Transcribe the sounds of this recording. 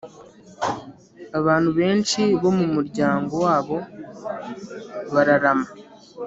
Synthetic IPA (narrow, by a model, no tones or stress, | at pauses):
aβaːnhuβe̞ːnʃiβo̞mumuɾɟaːŋɡo̞waːβo̞ | βaɾaɾama